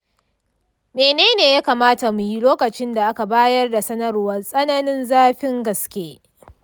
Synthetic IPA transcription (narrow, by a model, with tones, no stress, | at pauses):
meː˨neː˦neː˨jaː˦kaː˨maː˦ta˨mu˨ji˦loː˦kɐ˨t͡ʃɪ˦nda˨ʔa˦ka˨baː˦jɐ˦rda˨sɐ˦nɐ˦rwɐ˦nsʼɐ˦na˦nɪ˦nzaː˦ɸɪ˦ŋɡɐ˨skʲeː˦